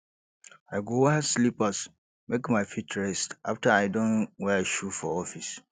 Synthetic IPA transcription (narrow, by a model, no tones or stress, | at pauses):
aɡowhɛslipas | mekmãɪfitɹɛstʔa̰ftʰaaɪdõnwɛʃufɔɔfis